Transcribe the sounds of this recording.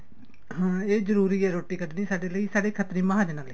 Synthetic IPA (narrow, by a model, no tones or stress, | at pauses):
ɦãːeːzəɾuːɾiːɛːɾoːʈiːkəd̪nĩːsaːɖeːləiːsaːɽeːkʰət̪ɾĩːmãːɦaːd͡ʒnaːləi